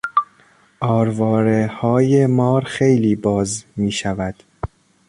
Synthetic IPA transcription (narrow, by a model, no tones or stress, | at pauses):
ʔɒːɾvɒːɾehɒːjemɒːɾxejliːbɒːzmiːʃævæd̪̥